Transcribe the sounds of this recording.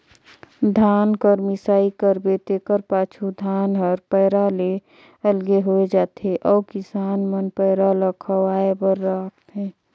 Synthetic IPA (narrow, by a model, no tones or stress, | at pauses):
d̪ʱaːnkəɾmɪsaːikəɾbet̪eːkəɾpaːt͡ʃʰud̪ʱaːnɦəɾpɛːɾale | əlɡeɦoed͡ʒaːt̪eʔɔːkɪsaːnmənpəːɾaləkʰəaːebəɾːaːkt̪ɦɛ̃ː